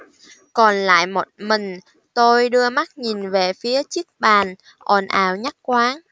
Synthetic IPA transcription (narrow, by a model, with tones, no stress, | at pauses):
kɔ˨˩nla̰ː˧˨jmo˨˩t̚mï˨˩ŋ̟ | t̪o˧jɗɨ˧əma˦˥t̚ɲi˨˩nve˨˩fi˨˦ət͡ɕɨ˦˥ək̚ɓaː˨˩n | ʔɔ˨˩nʔa̰ː˧˩wɲa˦˥t̚kwaː˨˦n